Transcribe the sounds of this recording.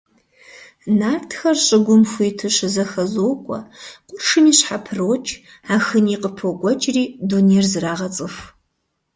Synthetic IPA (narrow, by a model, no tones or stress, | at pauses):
naːrtʰxɐrɕʼɪɡʷʊmxʷujːtʰɨɕɪzɐxɐzoːkʷʼɔ̰qʷʊrʂɨniːɕħapʰɨroːt͡ʃʼ | aːxɨniːqʼəpʰoɡʷɔt͡ʃʼriːdunerzɨraːʁɐt͡sʼɨf